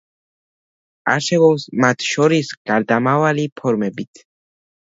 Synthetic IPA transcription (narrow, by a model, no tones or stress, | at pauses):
a̰ʃɛvɔsmat̪ʰʃɔɾisɡ̥aɾd̪amavalipʰɔɾmɛbit̪ʰ